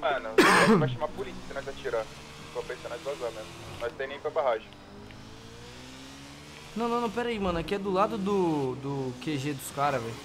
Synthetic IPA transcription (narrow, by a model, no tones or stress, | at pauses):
mɐ̃nɐ̃ɾaʃɐ̃mapolisisenãzat͡ʃiɾa | soɐpekɐnazvazamẽmʊmajst̪ẽnẽj̃pɾɐbaɦaʒẽ | nɐ̃w̃nɐ̃nɐ̃w̃pɛɾɐimɐ̃nʊakɪɛd̪ʊlad̪ʊd̪ʊd̪ʊkeʒed̪ʊskaɾɐvɛ̃j